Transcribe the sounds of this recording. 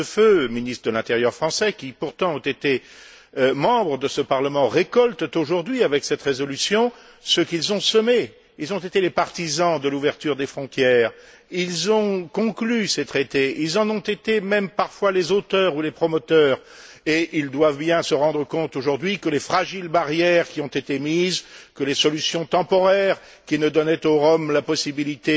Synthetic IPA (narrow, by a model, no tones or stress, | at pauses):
əføminist̪χəd̪əlɛ̃t̪eʁjœʁfχɑ̃sɛkʲipuʁt̪ɑ̃ɔ̃t̪et̪e | mɑ̃bʁəd̪əsəpaʁləmɑ̃ʁekɔlt̪t̪oʒuʁd̪ɥiavɛksɛt̪ʁezɔlysjɔ̃ | səkilzɔ̃səme | ilzɔ̃t̪et̪elepaʁt̪izɑ̃d̪əluvɛʁt̪yʁd̪efχɔ̃t̪jɛːʁ | ilzɔ̃kɔ̃klyset̪χet̪eilzɑ̃nɔ̃t̪et̪emɛmpaʁfwalezot̪œʁulepχɔmɔt̪œːʁ | eʔild̪wavbjɛ̃səʁɑ̃d̪ʁəkɔ̃t̪oʒuʁd̪ɥikəlefχaʒilbaʁjɛʁkʲiɔ̃t̪et̪emiːzkəlesɔlysjɔ̃t̪ɑ̃pɔʁɛʁ | kʲinəd̪ɔnɛt̪oʁɔmlapɔsibilit̪e